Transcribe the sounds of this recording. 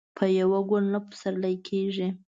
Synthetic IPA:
pʰəjawaɡʊnnapə̥saɾlajkʰeʒi

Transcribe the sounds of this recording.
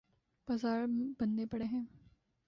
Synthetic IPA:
pɐzaːɾbɐnd̪epɐɽeɦɛ̃ː

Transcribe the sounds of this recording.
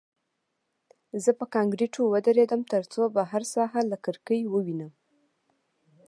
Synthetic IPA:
zəpəkɑŋɡɾiʈʰowəd̪aɾed̪əmt̪əɾt͡sobaɦaɾsɑɦalakəɾkəjwəwinəm

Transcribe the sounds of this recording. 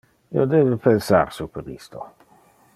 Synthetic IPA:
ḭod̪eːbepensa̰ɾsupeɾḭst̪o̰

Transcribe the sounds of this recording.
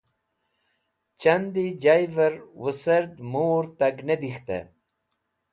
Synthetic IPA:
t͡ɕɐnd̪id͡ʑajvɐɾwusɐɾd̪moːɾt̪ɐɡned̪ixt̪ḛ

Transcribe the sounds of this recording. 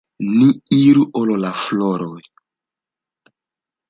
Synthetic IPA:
niiɾuʔololafloɾoj

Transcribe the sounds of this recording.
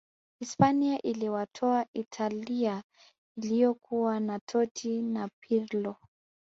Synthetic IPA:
hispaniaʔiliwatʰɔaʔitʰalia | ilijɔkʰuanatʰɔtʰinapʰiɾlɔ

